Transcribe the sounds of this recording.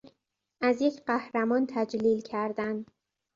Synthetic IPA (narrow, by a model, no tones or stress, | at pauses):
ʔæzjecʰɢæhɾæmɒːnt̪ʰæd͡ʒliːlcʰæɾd̪ænd̪